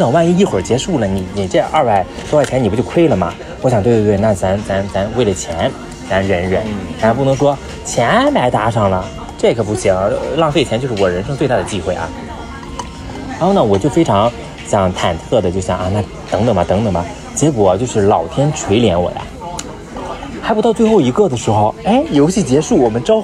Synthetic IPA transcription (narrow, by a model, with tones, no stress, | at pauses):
nɤ˨˩ŋwa˥˧ni˥˧i˥˩xwə˞˨˩t͡ɕjɛ˧˥ʂu˥˩lə˩ni˨˩˦ni˨˩ʈ͡ʂɛ˥˧ʔa˥˧pa˧˩ɪsɔ˥wt͡ɕʰɛ˧˥ni˨˩pu˧˥t͡ɕo˥˧ʊkʰwe˥ɪlə˩mɐ̰˩ | wɔ˧˥ɕjŋwe˥˧˥twe˥˧na˥˩t͡sa˧˥nt͡sa˧˥nt͡sa˧˥nwe˥˩ɪlə˩t͡ɕʰjɛ˧˥n | t͡sa˧˥nɻə˧˥nɻə˧˥n˧˥ɑ˧˩p̬u˥˩nɤ˧˥ŋʂwɔ˥ | t͡ɕʰjɛ˧˥npa˧˥ɪt̪a˧˥ʂɑ˥˩ŋlə˩ | ʈ͡ʂɤ˥˩ɡə˨˩pu˥˩ɕi˧˥ŋlɑ˥˧ŋfe˥˩t͡ɕʰjɛ˧˥nt͡ɕo˥˧ʊʂɻ̩˥˩wɔ˨˩ɻə˧˥nʂɤ˥ŋt͡swt̪a˥˩ə˩t͡ɕi˥˧xwe˥˩ɪʔɐ̰˨˩˧ | na˥˩wɔ˨˩t͡ɕjo˥˩ʊfe˥ɪʈ͡ʂʰɑ˧˥ŋ | ɕjɑ˨˩˦ŋt̪ʰa˨˩nt̪ʰɤ˥˩d̪ə˩t͡ɕjo˥˧ʊɕjɑ̰˨˩ŋʔa˥˧na˥˩ | t̪ɤ˧˥ŋt̪ɤ˨˩mɐ˩t̪ɤ˧˥ŋt̪ɤ˨˩ŋbɐ˩ | t͡ɕjɛ˧˥kwɔ˨˩˦t͡ɕjo˥˧ʊʂɻ̩˥˩lɑ˨˩ʊt̪ʰjɛ˥nʈ͡ʂʰwe˧˥ɪljɛ˧˥nwɔ̰˨˩jɐ̰˦ | xɪpu˧˥t̪ɑ˥˧ʊt͡swe˥˧ɪxo˥˩ʊi˧˥ɡɤ˥˩d̪ə˩ʂɻ̩˧˥xo˥˧ʊe˥˩ɪjo˧˥ʊɕi˥˩t͡ɕjɛ˧˥ʂu˥˩wɔ˨˩mə˦nʈ͡ʂɑ˥ʊ